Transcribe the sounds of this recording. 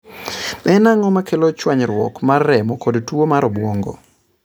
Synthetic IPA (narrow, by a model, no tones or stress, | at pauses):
ɛnaŋɔmakʰelot͡ʃwaɲɾwɔ̰kmarːɛmɔkodtwomaɾɔbwɔŋɡɔ̰